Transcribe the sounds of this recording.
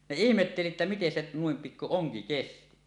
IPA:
ne ihmetːeli etːæ miten se nuim pikːu oŋki kesti

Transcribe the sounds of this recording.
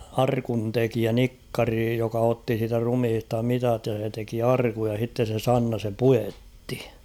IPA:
ɑrkuntekiæ nikːɑri jokɑ otːi siːtæ rumhistɑ mitɑt jɑ se teki ɑrkuj jɑ h̞itːe se sɑnːɑ sem pujetːi̥

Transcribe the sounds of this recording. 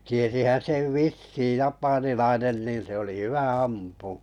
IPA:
tiesihæn seʋ ʋisːiːj̆ jɑpɑnilɑinen niːn se oli hyʋæ ɑmpuˑ

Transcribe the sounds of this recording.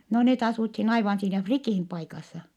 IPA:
no net ɑsuthin ɑiʋɑn siːnæ frikiˑm pɑikɑsːɑ

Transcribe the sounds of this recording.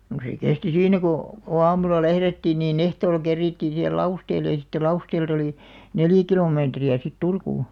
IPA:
no se kesti siːnːæ koˑ ko ɑːmulɑ læhretːiːn niːn ehtoːlɑ̆ kerːiːtːiːn sihel lɑusteːlːe jɑ sĭtːe lɑusteːlt oliˑ neljæ̆ kiloˑmeːtriæ sit turkuː

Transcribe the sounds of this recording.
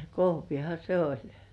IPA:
kohʋihɑ se olʲ

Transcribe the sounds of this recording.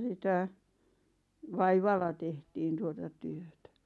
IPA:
sitæ ʋɑiʋɑlːɑ tehtiːn tuotɑ tyøtæ

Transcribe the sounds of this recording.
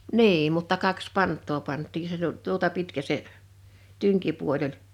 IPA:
niːm mutːɑ kɑks pɑntˑoː pɑntˑiː se tut tuotɑ pitkæ se tyŋkipuol olʲ

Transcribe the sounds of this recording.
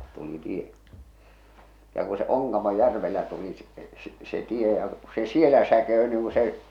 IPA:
tuli tie jɑ ku se oŋkɑmojːærʋelːæ tuli s s se tie jɑ se sielæ sækeø niːŋ ku se

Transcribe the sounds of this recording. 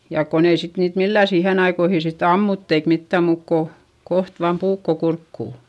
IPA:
jɑˑk kon ei sit niːt milːæˑ siːhen ɑikoihi sitː ɑmːutː eik mitːæˑm muːk ko koht ʋɑːm puːkːo kurkːuˑ

